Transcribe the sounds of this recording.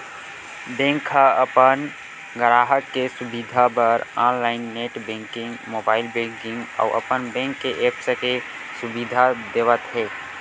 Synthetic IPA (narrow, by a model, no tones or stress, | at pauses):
b̪ẽːŋkʰːaəpən | ɡəɾaːɦəkːesʊbid̪ʱabəɾaːnlaːɪnːeːʈbɛ̃ːŋkɪ̃ŋɡmoːbaːɪlbẽːŋkɪ̃ŋɡɔ̰ʊʔə̰pənbẽːŋkːeʔeːpsəke | sʊbiːd̪ʱad̪eːʋət̪ɦɛː